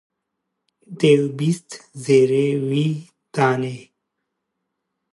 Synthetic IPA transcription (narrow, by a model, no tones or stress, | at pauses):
d̪ewbist̪zeːɾewi | t̪aːne